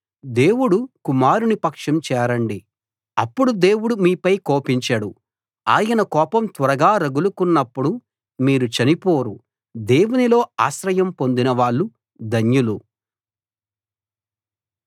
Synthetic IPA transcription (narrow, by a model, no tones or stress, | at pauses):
d̪e̞ːwuɽukumaːɾunipɐkʂɐmt͡ʃɛːɾɐɳɖi | ɐpːuɽud̪e̞ːwuɽumiːpɐjkoːpiɲt͡ʃaɽu | a̰ːjɐnɐkɔːpɐmt̪ʋɐɾɐɡaːɾɐɡulukunːɐpːuɽu | miːɾut͡ʃɐnipo̞ːɾu | d̪e̞ːwunilo̞ːa̰ːʃɾɐjɐmpo̞nd̪inɐʋaːɭːu | d̪ɐnjulu